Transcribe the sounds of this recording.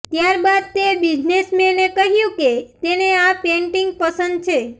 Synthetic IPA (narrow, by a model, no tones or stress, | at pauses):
t̪jaɾbad̪̚t̪ebid͡ʒnesmenekəɦjũket̪eneapẽɳʈiŋɡ̚pəsənd̪̚t͡ʃʰe